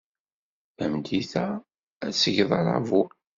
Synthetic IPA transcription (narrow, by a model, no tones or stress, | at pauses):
æmd̪iθæ | æsəʝðˤɑɾˤɑ̰vu